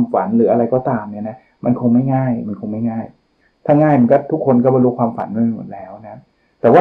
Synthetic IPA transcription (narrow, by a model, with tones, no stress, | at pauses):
mfa˩˦nɾɯː˩˦ʔa˧ɾa˧jkɔː˥˩t̪aː˧mni˥˩ɐna˦˥ | mʔa˧nkʰo˧ŋma˥˩jŋaː˥˩jma˧nkʰo˧ŋma˥˩jŋaː˥˩j | t̪ʰaː˥˩ŋaː˥˩jma˧nkɔː˥˩t̪ʰu˦˥kʰːo˧nkɔ˥˩ba˧lu˦˥kʰwaː˧mfa̰˩˦nma˥˧ma˧˩mo̰˨˩t̪̚lɛː˦˥wna˦˥ | t̪ɛː˨˩waː˥˩